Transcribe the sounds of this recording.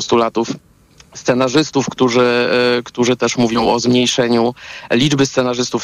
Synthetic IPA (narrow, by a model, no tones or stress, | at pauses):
ɔst̪ulat̪uf | st̪sɛnaʐɘst̪ufkt̪uʐɘkt̪uʐɘt̪ɛʂmuvʲjɔ̃w̃ɔzmɲejʂɛɲulʲid͡ʐbɘst̪sɛnaʐɘst̪uf